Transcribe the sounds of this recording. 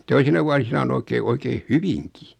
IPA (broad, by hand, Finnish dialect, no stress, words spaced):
toisinɑ ʋuɑsinɑ on oikeː oikeːn hyʋiŋki